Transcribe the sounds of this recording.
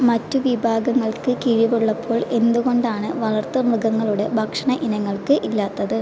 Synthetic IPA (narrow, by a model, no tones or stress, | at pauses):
mɐtːuʋibʱaːɡɐŋːɐɭkɨkiɻibeɽuɭːɐpʰːo̞ːɭe̞nd̪uɣo̞ɳɖaːɳɨʋɐɭɐrt̪ːɐmrɨɡɐŋːɐɭuɽe̞bʱɐkʂɐɳɐʔinɐŋːɐɭkɨʔilːaːt̪ːɐðɨ